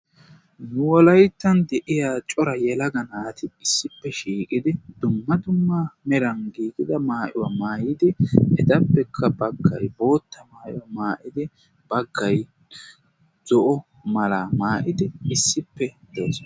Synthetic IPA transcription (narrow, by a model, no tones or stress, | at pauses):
nʊwɔlɐjt̪ːɐnd̪ɛʔɪjaːt͡ʃʼɔɾɐjɛlɐɡɐnaːt̪ɪɪsːɪpːɛʃiːkʼɪd̪ɪd̪̥ʊmːɐd̪ʊmːɐmɛɾɐnɡiːkʼɪd̪ɐmaːʔɪwɐmaːjɪd̪ɪɛd̪ɐpːɛkʰːɐbɐɡːɐ̰jbo̞ːt̪ːɐmaːʔɪ̰wɐmaːʔɪd̪ɪ | b̥ɐɡːɐj | z̥ɔʔɔ | mɐlaːmaːʔɪd̪ɪɪsːɪpːɛd̪̥oːs